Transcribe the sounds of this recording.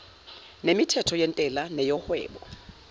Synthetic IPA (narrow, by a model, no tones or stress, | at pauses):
nemitʰɛtʰɔjen̩tʼɛlanejɔhwɛ̰ːbɔ